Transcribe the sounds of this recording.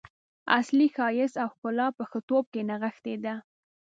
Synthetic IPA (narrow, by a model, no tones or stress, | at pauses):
a̰slixɑjɪsawkʊlɑpəxət̪ob̚kenaɣəxt̪ed̪a